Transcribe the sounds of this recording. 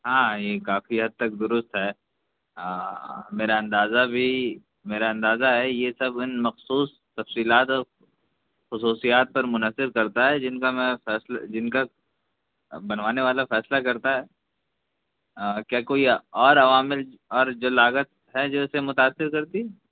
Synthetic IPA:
ɦãːjeːkaːfiɦɐd̪̚t̪ɐk̚d̪ʊɾʊst̪ɦɛː | meːɾaɐ̃nd̪aːzabʱi | meːɾaɐ̃nd̪aːzaɦɛjesɐbɪnmɐxsuːs | t̪ɐfsiːlaːt̪ɔːɾ | xʊsuːsijaːt̪̚pɐɾmʊnəsɪb̚kɐɾt̪aɦɛd͡ʒɪnkamɛ̃fɛːsla̰d͡ʒɪnka | bɐnʋaːneʋaːlafɛːslakɐɾt̪aɦɛː | kjaːkoːiɔːɾɐʋaːmɪl | ɔːɾd͡ʒoːlaːɡət̪̚ | ɦɛd͡ʒoːsemʊt̪aːsːɪɾkɐɾt̪iɦɛ

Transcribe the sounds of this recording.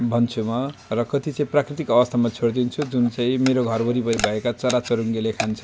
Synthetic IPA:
bʱʌnt͡sʰumarʌkʌt̪it͡saĩprakrit̪ikʌbʌst̪ʰamat͡sʰoɽd̪int͡sʰud͡zunt͡sãĩmeɾoɡʱʌrbʌɾipʌɾibʱʌekat͡sʌɾat͡sʌɾuŋɡelekʰant͡sʰʌ̥

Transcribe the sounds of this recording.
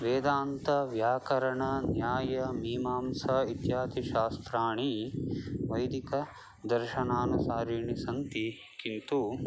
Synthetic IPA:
ʋeːd̪aːnt̪ɐʋjaːkɐɾɐɳɐnjaːjɐmiːmaːmsɐit̪jaːt̪iʃaːst̪ɾaːɳi | ʋɐjd̪ikɐ | d̪ɐɾʃɐnaːnusaːɾiːɳisɐnt̪i | kint̪u

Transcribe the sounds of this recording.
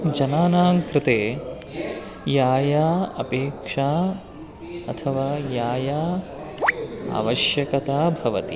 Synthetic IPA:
d͡ʒɐnaːnaːŋkɾɪt̪eː | jaːjaːɐpeːkʂaː | ɐt̪ʰɐʋaːjaːjaː | a̰ːʋɐʃjɐkɐt̪aːbʱɐʋɐt̪i

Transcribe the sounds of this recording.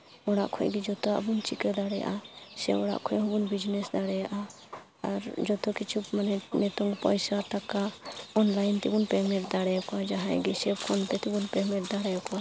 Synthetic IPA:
ɔɽa̰ʔkʰɔ̰ʔɡid͡ʒɔt̪ɔa̰bunt͡ʃikɛd̪aɽɛja̰ʔasɛɔɽa̰ʔkʰɔjɦɔ̃bunbid͡ʒnɛsd̪aɽɛjaʔa | aɾd͡ʒɔt̪ɔkit͡ʃʰupmanɛnɛt̪ɔŋpɔjsaʈakaɔnlajnt̪ibunpɛmɛɾd̪aɽɛjɔkɔad͡ʒaɦãjɡisɛbkʰɔnt̪ɛt̪ibunpɛmɛɾd̪aɽɛjɔka

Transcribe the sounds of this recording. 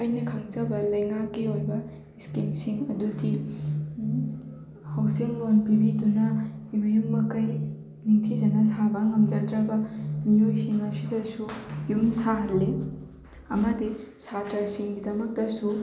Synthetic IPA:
ɐjnɐkʰɐŋt͡ʃɐbɐlɐjŋakːiojbɐ | iskimsiŋɐdudi | hawsiŋlonpibidunɐjujumbɐkɐj | niŋtʰizɐnɐsabaŋɐmd͡ʒatɾɐbɐmijojsiŋɐsidɐsujumsaɦɐlːe | ɐmɐdesatɐɾsiŋɡidɐmɐk̚tɐsu

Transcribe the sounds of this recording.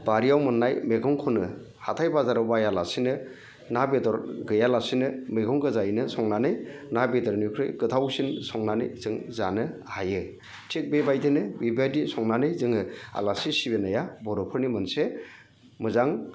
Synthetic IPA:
b̥aɾijawmɯnːajmeɡɔŋkʰɔnɯ | hatʰajbazaɾɯwbajalasinɯ | nabedɔɾɡɯjalasinɯmeɡɔŋɡɯzajinɯsɔŋnanɯjnabedɔɾnukʰɾɯ̰jɡɯtʰawsinsɔŋnanɯ̰z̥ɯŋzanɯhajɯ | tʰik̚bebajdʰɯnɯbibadisɔŋnanɯjzɯŋɯa̰lasisibenajabɔɾɔpʰɯɾnimɯnse | mɯzaŋ

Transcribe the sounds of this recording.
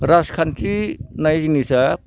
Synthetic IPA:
ɾaskʰantɾinajzinisa

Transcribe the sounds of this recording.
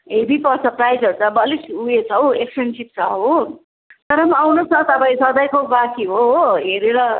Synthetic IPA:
ɦebipʌrt͡sʰʌprajd͡zʌɾut͡sʰʌbʌlisuet͡sʰʌweksensip̚t͡sʰʌɦo | t̪ʌɾʌmawnosʌt̪ʌpãĩsʌd̪ʌjkobakʰiɦoɦeɾeɾʌ

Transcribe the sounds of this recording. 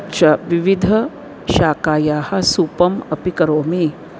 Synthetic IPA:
t͡ʃɐʋiʋid̪ʱɐ | ʃaːkaːjaːhɐ̆suːpɐmɐpikɐɾoːmi

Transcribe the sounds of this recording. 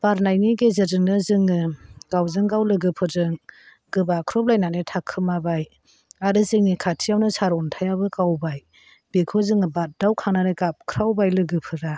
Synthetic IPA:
b̥aɾnajniɡezazɯŋnɯzɯŋɯɡ̥awzɯŋɡawlɯɡɯpʰɯzɯŋ | ɡɯbakʰɾɔp̚lajnanɯtʰakʰɯmabaj | aɾɯzɯŋnikʰatʰijawnɯsaɾɔntʰajabɯkawbaj | b̥ekʰɯzɯŋɯbat̚d̥awkʰaŋnaɾɯɡap̚kʰɾawbajlɯɡɯpʰɯɾa

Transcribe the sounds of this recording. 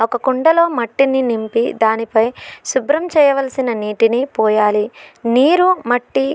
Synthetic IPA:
ɔkɐkuɳɖɐlo̞ːmɐʈːininimpid̪aːnipɐjsubɾɐmt͡ʃɛːjɐʋɐlɐsinɐniːʈinipɔːjaːliniːɾumɐʈːi

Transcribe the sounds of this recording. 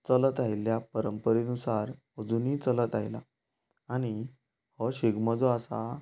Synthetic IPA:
t͡sələt̪ajiljapəɾəmpəɾenusaɾ | əd͡zuniːt͡sələt̪ajla̰ | aɽ̃i | həɕeɡməd͡zɔasa

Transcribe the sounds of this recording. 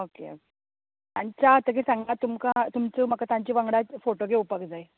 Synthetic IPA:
okḛo̰ke | t̪jaɲt͡ɕaːt̪əkesãŋɡat̪umkat̪umt͡səːm̤əkat̪jãɲt͡ɕiːʋəŋɡɽat͡sfoʈoɡ̬eupəkd͡zaj

